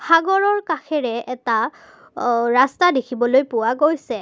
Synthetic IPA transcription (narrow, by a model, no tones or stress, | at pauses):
xʰaɡɔɹɔɹkaxʰɛɹɛɛta | ɹastadekʰibɔlojpʊwaɡojsɛ